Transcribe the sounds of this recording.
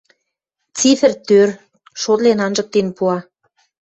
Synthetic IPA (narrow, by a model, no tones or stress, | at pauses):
t͡sifɘ̆rt̪ør | ʃot̪lenɑnʒɤ̆k̚t̪enpuɑ